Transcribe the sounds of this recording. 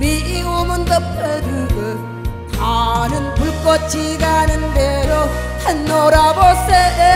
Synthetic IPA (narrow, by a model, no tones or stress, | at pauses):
miiumɯnd̪ʌpʰedɯɡɯ | kanɯnpuɭk͈ʌt̚t͡ɕiɡanɯnd̪eɾohanːoɾabose